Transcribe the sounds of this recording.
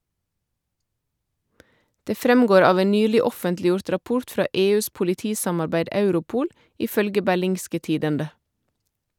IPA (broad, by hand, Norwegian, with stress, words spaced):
ˈdeː ˈfɾɛmˌɡoːɾ ˈɑːʋ ˈeːn ˈnyːlɪ ˈɔfəntlɪˌjʊɾt ɾɑˈpʊʁt ˈfɾɑː ˈʔeːˌʉːs pʊlɪˈtiːsɑmɑɾˌbæɪd ˈɑʉɾʊˌpuːl ˈiː ˈfœlɡə bæˈlɪŋskə ˈtiːdəndə